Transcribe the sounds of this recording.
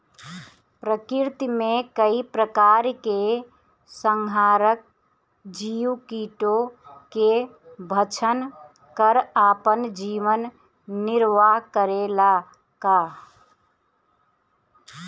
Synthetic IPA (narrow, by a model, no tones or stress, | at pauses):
pɾəkɪɾt̪imẽkəipɾəkaɾke | səŋɡʱaːɾək̚ | d͡ʒiːwkiːʈoke | bʱət͡ʃʰən | kəɾaːpənd͡ʒiʋənː | ɪɾʋaɦkəɾela | kaː